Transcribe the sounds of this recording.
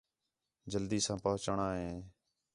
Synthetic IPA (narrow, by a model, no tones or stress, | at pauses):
d͡ʒəld̪iːsãːpəɦʊt͡ʃɳãːɦeː